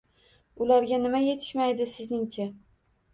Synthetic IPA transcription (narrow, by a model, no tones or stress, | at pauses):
ʊlaɾɡʲanɪmaje̞t̪ʰɪ̥ʃmajd̪ɪsɪznɪŋt͡ʃʰa